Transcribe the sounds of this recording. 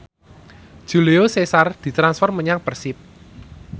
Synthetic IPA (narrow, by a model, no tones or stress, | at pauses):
ʒ̥ṳleosesard̪̥i̤t̪ɾansfɔrməɲaŋpərsɪp̚